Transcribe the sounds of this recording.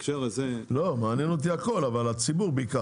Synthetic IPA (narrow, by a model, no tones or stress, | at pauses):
kʃeʁezelomaːnjenot̪̬iako̞lavalat͡sibuʁbika